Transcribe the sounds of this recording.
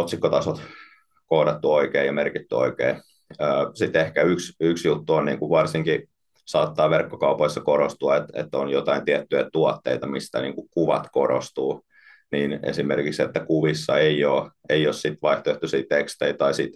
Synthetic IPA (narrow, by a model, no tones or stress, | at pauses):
ot̪sikːot̪ɑsot̪ | koːdɑt̪ːuoikeːjɑmerkit̪ːyo̰ikḛː | əːsit̪ehkæyksyksjut̪ːuonniːŋkuʋʋɑrsiŋki | sɑːt̪ːɑːʋerkːokɑupoisːɑkoɾost̪uɑet̪ḛt̪ːonjot̪ɑint̪iɛt̪ːyjæt̪uɔt̪ːḛit̪ɑmist̪æ̰nḭːŋkukuʋɑ̰t̪koɾo̰st̪uː | niːnḛsimerkikset̪ːækuʋisːɑeioːeiossit̪ʋɑiht̪oeht̪ysiːt̪ekst̪eit̪ɑisit̪